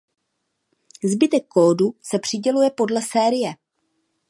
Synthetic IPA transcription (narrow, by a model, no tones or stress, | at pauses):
zbɪt̪ɛkːoːdusɛpr̥ɪɟɛlujɛpo̞dlɛsɛːɾɪjɛ